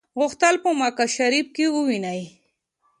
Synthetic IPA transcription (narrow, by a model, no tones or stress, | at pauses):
ɣʊxt̪əlpəmakaʃaɾip̚kewuwinaj